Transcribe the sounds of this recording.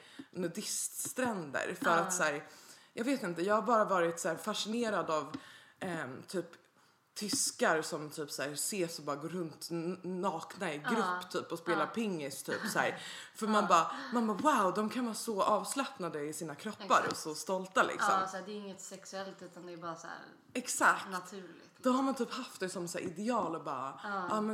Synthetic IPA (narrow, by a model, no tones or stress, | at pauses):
nɛd̪ɪst̪st̪ɾɛnd̪ə̰ɾfœɾat̪sæːɾjɑːɡveːt̪ɪnt̪əjɑːɡhaɾbɑːɾavɑːɾɪt̪sæːɾfaʂɪneːɾad̪av | t̪ʰyːp | t̪ʰʏskaɾsɔmt̪ʰyːpsæːɾseːsɔbɑːɾaɡoːɾɵnt̪nɑːknaɾɪɡɾɵpːt̪ʰyːpɔspeːlaɾpʰɪŋːɪst̪ʰy̰ːpsæ̰ːɾfœɾmanbɑːmanbɑːwaʊd̪ɔmkʰanvɑːsɔʔɑːvslɛpnad̪əɪsiːnakʰɾɔpːa̰ɾɔ̰sɔst̪ɔlt̪alʔɪ̰ksɔ̰msæːd̪ɛɪŋːət̪sɛksʉɛlt̪ʉ̟ːt̪and̪ɛːbɑːɾasæ̰ːɾ | ɛksakt̪t̪ʰʉlɪd̪ɔhaɾmant̪ʰyːphaft̪̚d̪ɛsɔmsæ̰ːɾʔɪd̪ɛɑːlɔbɑ̰ːaɑːmɛ